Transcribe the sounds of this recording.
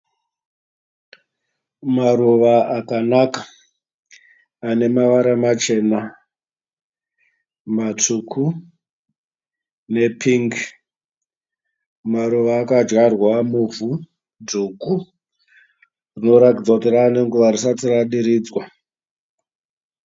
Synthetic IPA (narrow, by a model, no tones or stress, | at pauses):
maɾuʋaʔakanakḁ | ne̞maʋaɾamat͡ʃe̞ːna | matʰukʰu | ne̞pʰiŋɡ | maɾuʋaːkad͡ʒwarwamuvu | duku | rino̞ɾakid͡zakutiraːne̞ŋɡuʋarisatiraɗiɾiːd͡zwa